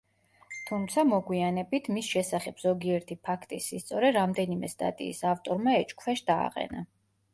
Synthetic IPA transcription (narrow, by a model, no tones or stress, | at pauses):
t̪ʰumt̪sʰamɔɡwianɛbit̪ʰmisʃɛsaχɛbz̥ɔɡiɛɾt̪ʰipʰakʰt̪ʼisist̪sʼɔɾɛɾamd̪ɛnimɛst̪ʼa̰t̪ʼḭːsaft̪ʼɔɾmaɛt͡ʃʼkʰfɛʃd̪a̰ːqʼɛ̰na̰